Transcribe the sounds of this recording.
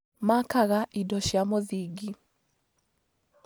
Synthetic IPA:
makaɣaʔidɔʃjamoðiɡi

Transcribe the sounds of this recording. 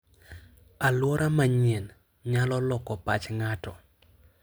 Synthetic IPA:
alwɔɾʔamaɲɛn | ɲalɔlɔkɔpa̰t͡ʃŋatɔ

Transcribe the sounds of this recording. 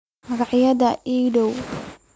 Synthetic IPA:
mɐɣɑʕjɐðɐʔiːɖɔw

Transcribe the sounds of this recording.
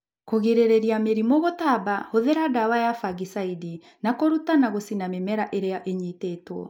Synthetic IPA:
koɣeɾeɾeɾiameɾimoɣotabahoðeɾadawajafaɣisaidi | nakoɾutanaɣosinamemɛɾaʔeɾeaʔeɲiteːtwɔ̰

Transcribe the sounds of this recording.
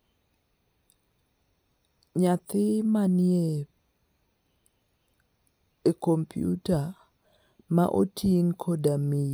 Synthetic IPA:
ɲat̪ɪmanie | ekompʰijṵta | ma̰ʔo̰tʰiŋkʰɔdami

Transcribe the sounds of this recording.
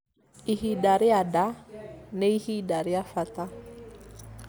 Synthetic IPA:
ihidaɾɪadaneihidaɾɪafat̪a

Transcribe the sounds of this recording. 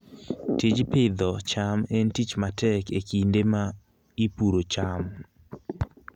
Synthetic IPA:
tid͡ʒpɪd̪ɔt͡ʃamentit͡ʃmatɛkekindema | ipuɾot͡ʃam

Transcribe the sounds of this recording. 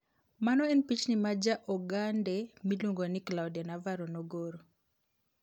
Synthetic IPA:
manɔɛnpit͡ʃnimad͡ʒaʔɔɡandɛmiluŋɡonɪklawdanavaɾonoɡoɾo

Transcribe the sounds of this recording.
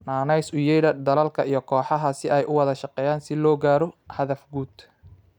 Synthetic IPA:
naːnɛjsʊjɛjɽɐd̪ɐlɐlkʰɐijɞkʰɔːħɑɦɐsɪʔɛjʔʊwɑðɐʃɑqɛːjaːnsɪlɔːɡaːɾɔhɐðɐfɡuːd̪

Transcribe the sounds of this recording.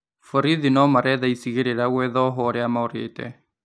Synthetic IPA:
fɔɾiðinɔmaɾɛðaisiɣeɾeɾaɣwɛðɔɦɔɾeamaɔɾetɛ̰

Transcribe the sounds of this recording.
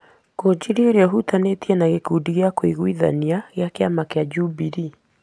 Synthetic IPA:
kod͡ʑiɾioɾeɔɦutanetiɛnaɣekudiɣeakwiɣwiða̰niaɣeakeamakead͡ʒubiɾi

